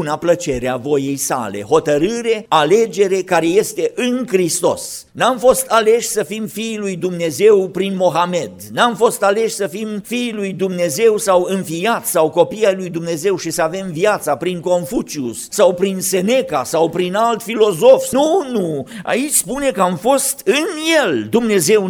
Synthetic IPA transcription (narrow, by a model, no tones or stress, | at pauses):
unaplət͡ʃe̞ɾeavo̞jejsa̰le̞̰ɦo̞t̪əɾɨɾe̞ale̞d͡ʒe̞ɾe̞kaɾe̞je̞st̪e̞ʔɨnkɾist̪o̞̰s | namfo̞st̪ale̞ʃʲsəfimfiːlujd̪umne̞ze̞wpɾinmo̞ɦame̞d̪namfo̞st̪ale̞ʃʲsəfimfiːlujd̪umne̞ze̞wsawɨnfijat̪sʲsawko̞piajlujd̪umne̞ze̞wʃisəave̞mvijat̪sapɾiŋko̞nfut͡ʃiṵssawpɾinse̞ne̞kasawpɾinalt̪filo̞zo̞fnunua̰it͡ʃʲspune̞kəamfo̞st̪ɨnje̞ld̪umne̞ze̞w